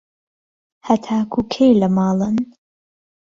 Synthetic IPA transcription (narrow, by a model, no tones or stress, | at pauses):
hɐt̪ʰaːkʰukʰejlɐmɑːlˠɨn